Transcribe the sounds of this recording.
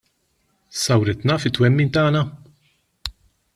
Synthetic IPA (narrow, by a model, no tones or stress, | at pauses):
sɐwɾɪt̪nɐːfɪt̪ːwɛmːiːnt̪ɐːnɐ